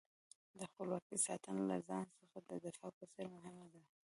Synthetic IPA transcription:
d̪əxpəlwɑkijsɑ̰t̪ənolazɑnsəxad̪əd̪ɪfɑpəseɾmʊɦɪmad̪a

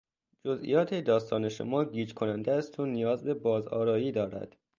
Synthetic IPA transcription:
d͡ʒozʔḭjɒːt̪ʰed̪ɒːst̪ɒːne̞ʃo̰mɒːɡiːd͡ʒkʰonænd̪eæst̪ʰoːnijɒːzbe̞bɒːzɒ̰ːɾɒːjiːd̪ɒːɾæ̰d̪̥

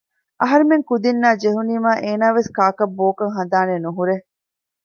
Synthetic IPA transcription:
ʔɐɦɐɾemeŋkud̪inːaːd͡ʒeɦuniːmaːʔeːnaːʋeskaːkɐbːoːkɐŋɦɐnd̪aːnenuɦuɾe

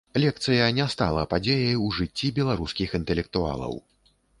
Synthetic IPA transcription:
lʲɛk̚t̪sɨjɐnʲɛst̪a̰lˠɐpad͡zʲejɐjuʐɨt͡sʲːibʲɛlˠaɾuskʲixint̪ɛlʲɛk̚t̪ua̰lˠɐ̰w

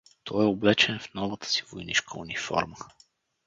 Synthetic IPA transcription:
t̪ʰɔɛoblɛt͡ʃɛnfnɔvət̪ə̥si̥vojnḭʃkʰəṵnifɔ̰ɾmə

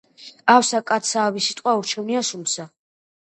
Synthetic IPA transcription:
awsakʼat̪sʰaːvisit̪ʼqʼwauɾt͡ʃʰɔniaʃumsa

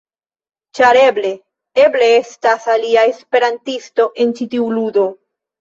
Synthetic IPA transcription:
t͡ʃaɾe̞ble̞ | e̞ble̞e̞stasaliae̞spe̞ɾantisto̞ʔe̞nt͡ʃitiuludo̞

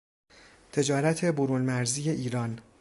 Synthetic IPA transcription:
t̪ʰe̞d͡ʒɒːɾæt̪ʰe̞boɾunmæɾziːje̞ʔiːɾɒːn

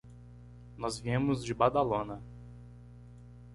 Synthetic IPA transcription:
nɔzviẽmʊzd͡ʒɪbad̪alõnɐ

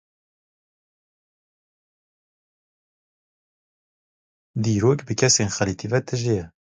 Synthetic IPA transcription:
d̪iːɾoːkbɨkʲʰɛseːnxɐlit̪ʰivɛt̪ʰɨʒejɛ

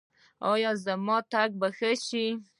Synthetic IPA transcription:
ɑjɑzamɑt̪aɡ̚baxəʃi

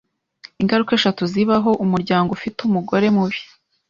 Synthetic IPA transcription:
iŋɡaɾuke̞ːʃatuziβaɦo̞ʔumuɾɟaːŋɡofitumuɡo̞ɾe̞muβi̥

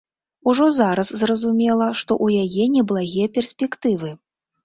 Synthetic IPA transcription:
uʐɔzaɾɐszrɐzumʲɛlˠɐʂt̪ɔ̰ʔujajɛnʲɛblˠaɣʲɛpʲɛrsʲpʲɛkt̪ɨvɨ

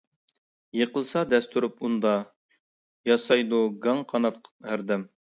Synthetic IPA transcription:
jəqəlˠsɑd̪ɛst̪ʰuɾupund̪ɑ | jɑsɑjd̪uɡɑŋqʰɑnɑt̪̚qʰhæɾd̪ɛm

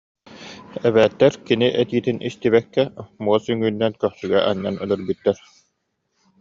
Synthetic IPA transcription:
ɛβɛːt̪ːɛɾkiniʔɛt̪iːt̪inʔist̪iβɛkːɛmuɔsyŋyːnːɛnkœχsyɡɛʔaɲːanœlœɾbyt̪ːɛɾ

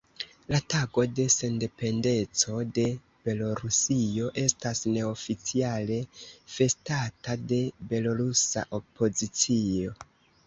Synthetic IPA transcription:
lataɡo̞de̞se̞nde̞pe̞nde̞t͡so̞de̞ | b̥e̞lo̞ɾusio̞ʔe̞stasne̞ofit͡siale̞fe̞statade̞be̞lo̞ɾusa̰ʔo̞pʰo̞zit͡sio̞

